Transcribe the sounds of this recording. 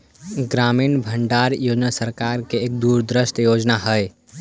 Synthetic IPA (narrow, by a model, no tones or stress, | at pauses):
ɡɾaminbʱəɳɖaɾjod͡ʒnasəɾkaɾkeːk̚d̪uɾd̪ɾəst̪əjod͡ʒnaɦəj